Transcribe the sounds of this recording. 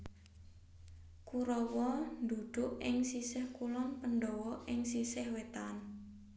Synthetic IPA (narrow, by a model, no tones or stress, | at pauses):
kuɾɔwɔnd̪ṳd̪̥ʊʔɪŋsisɪhkulɔŋpənɖɔwɔʔɪŋsisɪhwet̪an